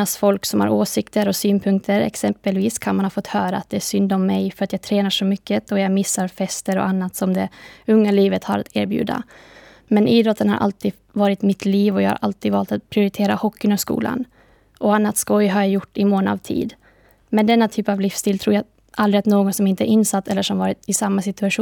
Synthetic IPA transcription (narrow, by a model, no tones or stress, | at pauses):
asfɔlksɔmha̰ɾoːsɪkt̪əɾɔsyːnpʰɵŋk̚t̪ʰəɾɛ̰ksɛmpəlviːskʰanmanhɑːfɔt̪ːhœːɾaːt̪̚d̪ɛæʂʏnd̪ɔmːɛjfœɾat̪jaɡt̪ʰɾɛːnaʂɔmʏkːət̪ɔjamɪsːaɾfɛst̪əɾɔ̰ʔanːat̪sɔmd̪ɛɵŋːaliːvət̪haɾa̰t̪ʰæːɾbjʉ̰ːd̪a̰ | mɛnʔiːd̪ɾɔt̪ːənha̰ɾʔa̰lt̪ʰiːd̪ | vɑːɾɪt̪mɪt̪liːvɔjɑːha̰ɾʔa̰lt̪iːd̪vɑːlt̪at̪̚pʰɾɪʊɾɪt̪ʰeːɾahɔkːɪnɔskṵːla̰n | ʔɔanːat̪skɔjɦaɾjajʊʈːɪmoːna̰vt̪ʰḭːd̪ | mɛnd̪ɛnːat̪ʰyːpavlɪfst̪ʰiːlt̪ʰɾuːɾja | ʔald̪ɾɪɛt̪noːɡɔnsɔmɪnt̪əɛɾɪnːsat̪ːɛlːəʂɔmvɑːɾɪt̪ɪsamːasɪt̪ɵaɧuː